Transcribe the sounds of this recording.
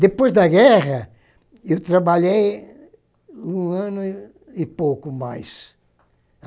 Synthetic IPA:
d̪epojzd̪ɐɡɛʁɐ | ewt̪ɾɐbaʎej | ũɐ̃nʊ | ipowkʊmajs

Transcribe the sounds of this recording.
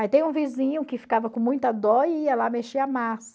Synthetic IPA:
ait̪ẽj̃ũvizĩɲʊkɪfi̥kavɐkõmũj̃t̪ɐd̪ɔiɛlameʃiamasɐ

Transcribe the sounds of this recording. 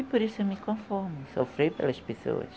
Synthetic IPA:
ipoɾisʊewmikõfɔɾmʊsofɾejpḛlɐspeso̰ɐ̰s

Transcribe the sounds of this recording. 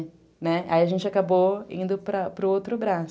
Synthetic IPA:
nɛaiɐʒẽnt͡ʃɪakaboĩnd̪ʊpɾɐpɾʊowt̪ɾʊbɾas

